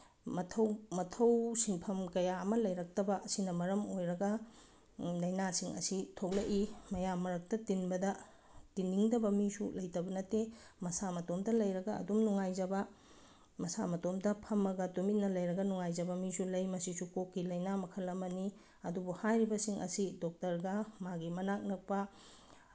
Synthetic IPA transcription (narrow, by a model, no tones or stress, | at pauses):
mɐtʰɐwmɐtʰɐwsiŋpʰɐmkɐjaɐmɐlɐjɾɐk̚tɐbɐʔɐsinɐmɐɾɐmojɾɐɡɐ | lɐjnasiŋɐ̰sitʰok̚lɐʔimɐjamːɐɾɐk̚tɐtinbɐdɐ | tinːiŋdɐbɐmisṵlɐjtɐbɐnɐtːemɐsamɐtomdɐlɐjɾɐɡɐɐ̰dumnuŋajd͡ʒɐbɐ | mɐsamɐtomdɐpʰɐmɐɡɐtumit̚nɐlɐjɾɐɡɐnuŋajd͡ʒɐbɐmisulɐjmɐsisukokːilɐjnamɐkʰɐlɐmɐni | ɐdubuhajɾibɐsiŋʔɐ̰sidok̚tɐɾɡɐmaɡimɐnak̚nɐk̚pɐ